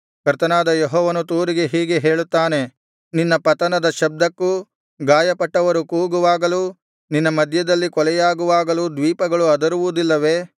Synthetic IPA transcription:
kɐɾt̪ɐnaːd̪ɐjɔɦɔːʋɐnut̪uːɾiɡe̞ɦiːɡe̞ɦe̞ːɭut̪ːaːne̞ | ninːɐpɐt̪ɐnɐd̪ɐʃɐb̚d̪ɐkːu | ɡaːjɐpɐʈːɐʋɐɾukuːɡuʋaːɡɐlu | ninːɐmɐd̪ʱjɐd̪ɐlːikɔlɛjaːɡuʋaːɡɐlud̪ʋiːpɐɡɐɭuɐd̪ɐɾuʋud̪ilːɐʋe̞ː

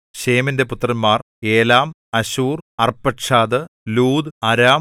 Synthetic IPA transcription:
ɕeːminde̞put̪ːrɐnmːaːr | e̞ːlaːm | ɐɕuːrɐrpːɐʈʂaːd̪ɨluːd̪ɨɐɾaːm

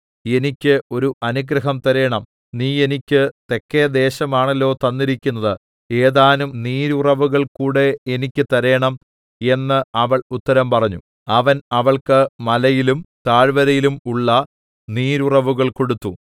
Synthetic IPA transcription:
e̞nikʲːɨo̞ɾuʔɐnuɡɾɐɦɐmt̪ɐɾɐjɐɳɐm | niːe̞nikʲːɨt̪e̞kːeɐd̪e̞ːɕɐmaːɳɐlːo̞ːt̪ɐnːiɾikʲːunːɐðɨ | eːðaːnumniːɾurɐʋuɣɐɭkuːɽe̞enikʲːɨt̪ɐɾɐjɐɳɐm | e̞nːɨɐʋɐɭut̪ːɐɾɐmpɐrɐɲːṵ | ɐʋɐnɐʋɐɭkɨmɐlɐjilumt̪aːɻʋɐɾɐjilumuɭːɐ | niːɾurɐʋuɣɐɭko̞ɽut̪ːu

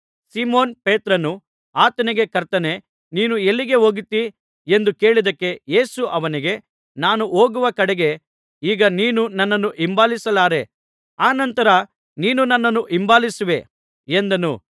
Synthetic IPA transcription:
siːmoːnpeːt̪ɾɐnu | aːt̪ɐniɡe̞kɐɾt̪ɐne̞ | niːnue̞lːiɡe̞ɦo̞ːɡit̪ːi | e̞nd̪uke̞ːɭid̪ɐkːe̞je̞ːsuʔɐʋɐniɡe̞ | naːnuoːɡuʋɐkɐɽɛɡe̞ | iːɡɐniːnunɐnːɐnːuʔimbaːlisɐlaːɾe̞ | aːnɐnt̪ɐɾɐ | niːnunɐnːɐnːuʔimbaːlisiʋe̞ | end̪ɐnṵ

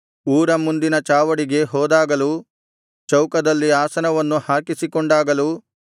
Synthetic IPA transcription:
uːɾɐmund̪inɐt͡ʃaːʋɐɽiɡe̞ɦɔːd̪aːɡɐlu | t͡ʃɐwkɐd̪ɐlːiaːsɐnɐʋɐnːuhaːkisikɔɳɖaːɡɐlu

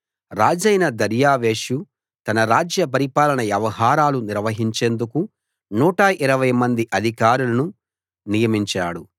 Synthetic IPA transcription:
ɾaːd͡ʒɐjnɐd̪ɐɾjaːʋeːʃu | t̪ɐnɐɾaːd͡ʒjɐpɐɾipaːlɐnɐʋjɐʋɐɦaːɾaːluniɾʋɐɦiɲt͡ʃe̞ːnd̪uku | nuːʈɐʔiɾɐʋɐjmɐnd̪iʔɐd̪ʱikaːɾulɐnu | nijɐmiɲt͡ʃaːɽu

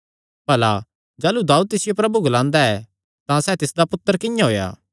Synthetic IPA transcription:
bɐla | d͡ʒaːlud̪aːuːd̪̚t̪ɪsɪjopɾɐbuɡɐlãːnd̪aɛ | t̪ãsɛːt̪ɪsd̪apʊt̪ːəɾkɪ̃jãɦoːja̰ː

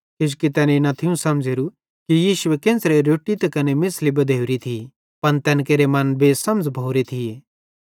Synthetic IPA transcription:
kɪd͡ʒ̬kit̪ɛːneɪnat̪ʰiũsɐmd͡zeɾu | kijiːʃʊekẽːnsɾeɾoːʈːit̪ekɐnemɪslibɐd̪ʱeːʊɾit̪ʰi | pɐnt̪ɛːnk̬eːɾemɐnbʱesɐmd͡zbʱowɾet̪ʰijeː

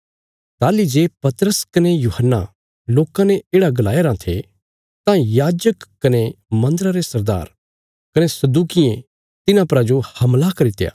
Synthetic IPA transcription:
t̪aːlid͡ʒeːpɐt̪ɾəskɐnejuhənːa̰ | loːkãneeːɽaɡɐlaːeɾãt̪ʰḛ | t̪ãjaːd͡ʒəkkːɐnemɐ̃nd̪əɾaɾesɐɾd̪a̰ːɾ | kɐnesɐd̪uːkɪjẽ | t̪ɪnãpɐɾad͡ʒohɐmlakɐɾit̪eja̰ː

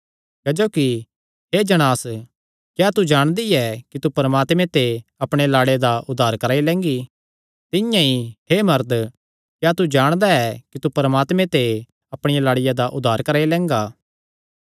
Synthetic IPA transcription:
keːd͡ʒoːki | ɦeːd͡ʒɐɽ̃aːs | kjaːt̪ud͡ʒaːɽ̃d̪iɛkit̪upɐɾəmaːt̪mẽt̪eɐpɽ̃elaːɽed̪aʔʊd̪ʱːaːɾkɐɾaːilɛ̃ːŋɡi | t̪ɪjãihemɐɾd̪ | kjaːt̪ud͡ʒaːɽ̃d̪aɛkit̪upɐɾəmaːt̪mẽt̪e | ɐpɽ̃ɪjalaːɽɪjad̪aʔʊd̪ʱːaːɾkɐɾaːilɛ̃ːŋɡaː

